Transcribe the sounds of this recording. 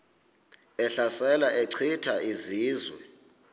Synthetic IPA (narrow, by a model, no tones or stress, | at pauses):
ɛɬasɛlaʔeǀʰitʰaʔiziːzwɛ̰